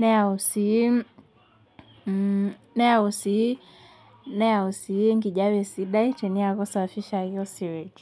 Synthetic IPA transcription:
nɛausi | nɛausi | nɛausiŋɡiʄawɛsiɗaitɛniakɔsafiʃahijɔsiwɛki

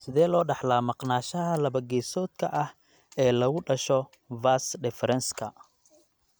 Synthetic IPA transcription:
sɪðɛːlɔːɖɑħlaːmɑqnaːʃɐɦɐlɐβɐɡɛːsɔːd̪kʰɐʔɐh | ɛːlɐɣʊɖɐʃɔ | vasɖɛfɾɛnskʰɐ̰

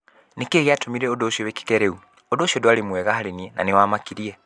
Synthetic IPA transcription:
nekeɣeatomiɾɛodoːʃiɔweki̥kɛɾɛu | odoːʃiɔdoaɾemwɛɣahaɾeniɛnʔa̰newamakiɾiɛ

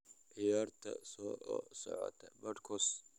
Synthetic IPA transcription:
ʕɪjaːrt̪ʰɐ̰sɔːsɔ̰ʕɔ̰t̪ʰɐbɐrkʰɔs

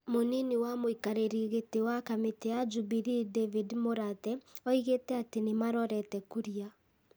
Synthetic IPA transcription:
moniniwamoikaɾeɾiɣetewakametead͡ʒubiɾidevidmoɾatɛɔiɣetɛatenemaɾɔɾɛtɛkuɾia

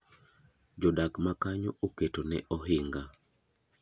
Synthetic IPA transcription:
d͡ʒɔdakmakaɲooketonɛ̰ʔɔɦɪŋɡa

